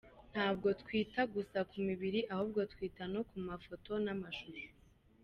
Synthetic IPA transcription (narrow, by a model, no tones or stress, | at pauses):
n̥haːbɡo̞tkwiːtaɡusakumiβiɾiʔahub̚ɡo̞tkwiːtanokumafo̞tʰo̞namaʃuɾu